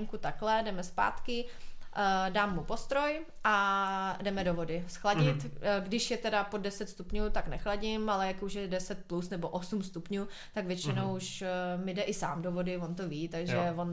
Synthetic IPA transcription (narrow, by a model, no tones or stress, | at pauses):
ŋkut̪aklɛdɛmɛspa̰ːt̪kɪ | daːmːupo̞st̪ɾo̞j | ʔadɛmɛdovo̞dɪsxlaɟɪt̪ɡdɪʃjɛt̪ɛdapodɛsɛt̪st̪upɲuːt̪aknɛ̰xlaɟɪmalɛjakuʃjɛdɛsɛt̪̚plusnɛboʔosumst̪upɲuː | t̪aɡvjɛt͡ʃɪnowuʃmɪdɛʔɪsaːmdovodɪvont̪oviːt̪aɡʒɛvon